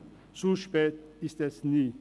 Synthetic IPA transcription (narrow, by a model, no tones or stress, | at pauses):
soʃpɛːt̚ɪstɛsniː